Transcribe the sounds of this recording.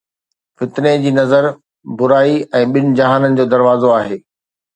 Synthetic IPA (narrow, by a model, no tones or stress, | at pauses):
fɪt̪ned͡ʑiːnɐzəɾ | bʊɾaːiɛ̃ːɓɪnɪ̆d͡ʑɐɦaːnənɪ̆d͡ʑoːd̪ɐɾʋaːzoaːɦeː